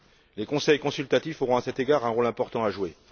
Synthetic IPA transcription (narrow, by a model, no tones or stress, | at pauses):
lekɔ̃sɛjkɔ̃sylt̪at̪ifoʁɔ̃asɛt̪eɡaʁɛ̃ʁolɛ̃pɔʁt̪ɑ̃aʒwe